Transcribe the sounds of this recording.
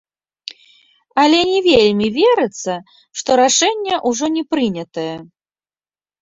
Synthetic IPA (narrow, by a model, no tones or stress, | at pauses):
ɐlʲɛnʲɛvʲelʲmʲivʲɛɾɨt̪sːɐ | ʂt̪ɔɾaʂɛnʲːɛʔuʐɔnʲɛpɾɨnʲɐt̪ɐjɛ